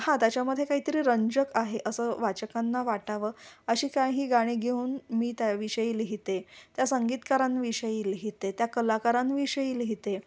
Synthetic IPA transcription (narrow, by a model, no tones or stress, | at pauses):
hãt̪jat͡ɕjaməd̪ʱjekaɦiːt̪əɾiːɾəɲd͡ʑəkaɦeʔəsəːʋat͡ɕəkãnːaʋaʈaʋəːəɕiːkajɦiːɡaɽ̃iːɡʱeuːnmiːt̪jaʋiɕəjiːlɦit̪et̪jasəŋɡiːt̪kaɾãnʋiɕəjiːlɦit̪et̪jakəlakaɾãnʋiɕəjiːlɦit̪e